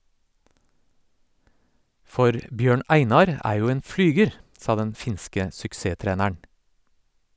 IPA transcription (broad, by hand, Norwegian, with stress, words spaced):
ˈfɔɾ ˈbjøːɳ ˈæɪnɑɾ ˈæː ˈjuː ˈeːn ˈflyːɡəɾ ˈsɑː ˈdɛn ˈfɪnskə sʏkˈseːˌtɾeːnəɳ